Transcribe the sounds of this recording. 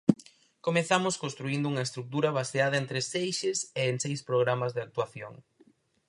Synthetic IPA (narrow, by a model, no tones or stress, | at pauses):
komeθamʊskõnst̪ɾuind̪ʊuŋɐest̪ɾuk̚t̪uɾɐβ̞aseað̞ɐent̪ɾesejʃɪseeŋsejspɾoɣɾamɐzðɪak̚t̪uaθjo̰ŋ